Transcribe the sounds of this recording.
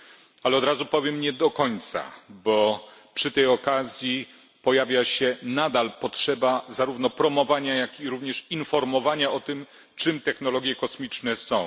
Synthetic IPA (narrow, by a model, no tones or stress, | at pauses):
alɛɔd̪ɾazupɔvʲjɛmɲɛd̪ɔkɔɲt̪sa̰bɔpʂɘt̪ɛjɔkazʲji | pɔjavʲjaɕɛnad̪alpɔtʂɛbazaɾuvnɔpɾɔmɔvaɲajakiɾuvɲɛʂinfɔɾmɔvaɲaɔt̪ɘm | t͡ʂɘmt̪ɛxnɔlɔɡʲjɛkɔsmʲit͡ʂnɛsɔ̃w̃